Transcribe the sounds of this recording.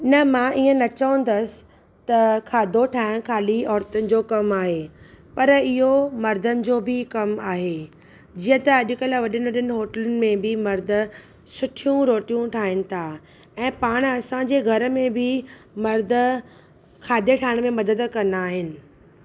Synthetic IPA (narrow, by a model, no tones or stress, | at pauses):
nɐmãːʔiːə̃nɐt͡ɕɐʋə̃nd̪əsɪ̥ | t̪ɐkʰaːd̪ʱoʈʰaːɦɪɽ̃kʰaːliɔːɾt̪ʊnɪ̆d͡ʑoːkɐmaːɦeː | pɐɾɪɦomɐɾd̪ʱənɪ̆d͡ʑoːbʱɪkɐmaːɦeː | d͡ʑiːə̃t̪ɐːɗɪkəlʋɐɗɪnɪ̆ʋɐɗənɪ̆ɦoːʈələnɪ̆mẽbʱɪmɐɾd̪ʱʊ̆ | sʊʈʰijũɾoːʈijũʈʰaːɦɪnɪ̆t̪ʰaː | ɛ̃ːpaːɽ̃ɐsãɲd͡ʑeːɡʱɐɾəmẽbʱɪ | mɐɾd̪ʱ | kʰaːd̪ʱeʈʰaːɦɪɽ̃mẽmɐd̪əd̪kɐ̃nd̪aːɦɪnɪ̆